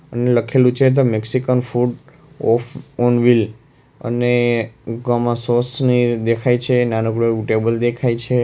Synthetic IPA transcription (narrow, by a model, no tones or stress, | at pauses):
əneləkʰelũt͡ʃʰet̪̬omeksikənfuɖ | ɔfʰɔnʋil | ə̰neɡɔmãsosnid̪ekʰajt͡ʃʰenanəkɽouʈebəld̪ekʰajt͡ʃʰe